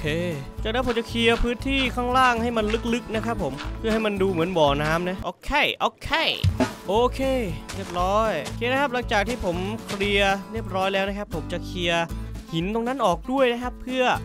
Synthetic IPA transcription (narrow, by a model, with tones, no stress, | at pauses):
kʰeː˧ | t͡ɕaː˨˩k̚na˦˥po˨˦mt͡ɕa˨˩kʰli˧ɐpʰɯː˦˥nt̪ʰiː˥˩kʰaː˥˩ŋɾaː˥˩ŋha˥˩jma˧nlɯ˦˥k̚lɯ˦˥k̚na˦˥kʰa˦˥pʰːo˩˦mpʰɯ˥˩ɦa˥˩jma˧nduː˧mɯ˩˦ənbɔː˨˩naː˦˥mna˦˥ʔoː˧˩kʰe˧˩jʔoː˧kʰe˧˩ʔoː˧kʰeː˧ɾi˥˩əp̚ɾɔː˦˥jkʰeː˧na˦˥kʰp̚la˩˦ŋt͡ɕaː˨˩k̪̚ʰiː˥˩pʰo˩˦mkʰɾi˧ɐɾi˥˩əp̚ɾɔː˦˥jlɛː˦˥wna˦˥˩kʰa˦˥pʰːo˩˦mt͡ɕa˨˩kʰi˧ɐhi˩˦nt̪o˧ŋna˦˥nʔɔː˨˩k̚du˥˩əjna˦˥kʰa˦˥pʰːɯ˥˩ɐ